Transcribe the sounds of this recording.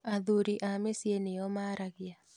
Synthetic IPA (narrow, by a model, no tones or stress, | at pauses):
aðuɾiʔamesjenejɔmaɾaɡɪa